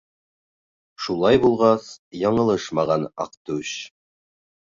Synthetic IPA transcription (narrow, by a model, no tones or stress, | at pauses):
ʃulˠɑjbulˠʁɑsjɑɴɤ̆lˠɤʃmɑʁɑnɑ̰qt̪ʉɕ